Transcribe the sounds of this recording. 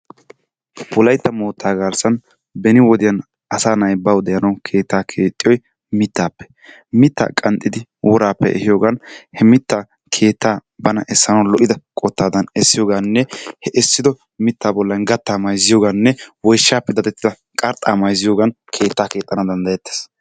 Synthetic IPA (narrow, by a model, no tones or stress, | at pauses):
wɔlɐjt̪ːɐmoːt̪ːaːɡaːɾsɐn | bɛnɪwɔd̪ɪjɐn | ʔɐsaːnɐjbɐwd̪ɛjɐnɐwkʰe̞ːt̪ːaːkʰe̞ːt̪ʼːɪjɔj | mɪt̪ːaːpːɛ̥ | mɪt̪ːa̰ːkʼɐnt̪ʼːɪd̪ɪwʔɔɾaːpːɛ̰ʔɛ̰hɪjo̞ːɡɐnhɛmɪt̪ːaː | kʰe̞ːt̪ːaːbɐnɐʔɛsːɐnɐwlɔʔɪd̪ɐkʼɔt̪ːaːd̪ɐnɛsːɪjo̞ːɡanːɛhɛʔɛsːɪd̪ɔ | mɪt̪ːaːbɔlːɐnɡɐt̪ːaːmɐjzɪjo̞ːɡanːɛwɔjʃːaːpːɛd̪ɐd̪ɛt̪ːɪd̪ɐ | kʼɐɾt̪ʼaːmɐjzɪjoːɡɐn | kʰe̞ːt̪ːaːke̞ːt̪ʼːɐnɐd̪ɐnd̪ɐjɛt̪ːe̥ːs